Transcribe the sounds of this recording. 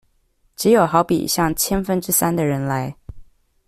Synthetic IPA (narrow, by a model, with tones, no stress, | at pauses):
ʈ͡ʂɻ̩˧˥jo˨˩ʊxɑ˧˥ʊpḭ˨˩˦ɕjɑ˥˩ŋt͡ɕʰjɛ˥nfə˥nʈ͡ʂɻ̩˥sa˥nd̪ə˨ɻə˧˥nla˧˥ɪ